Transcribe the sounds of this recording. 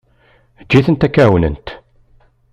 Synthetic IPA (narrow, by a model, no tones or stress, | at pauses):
d͡ʒːiθənt̪ækːæwənə̰nt̪